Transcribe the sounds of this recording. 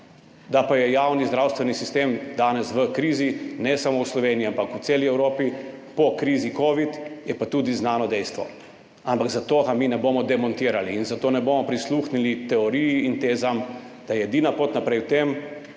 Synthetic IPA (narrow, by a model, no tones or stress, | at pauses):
d̪apajɛjawnizd̪ɾaːwst̪ʋɛnisist̪emd̪aːnɛsʋəkɾiːzinɛsamowslɔʋeːniampakut̪seːliɛwɾoːpipɔkɾiːzikoːʋit̪jɛpat̪uːd̪iznaːnɔd̪ɛjst̪ʋɔ̰ | ampaɡzat̪oːɡamiːnɛboːmɔd̪ɛmɔnt̪iːɾaliːnzat̪oːnɛboːmɔpɾisluːxnilit̪ɛɔɾijiːnt̪eːzam | d̪̥ajɛɛd̪iːnapot̪napɾɛjwt̪em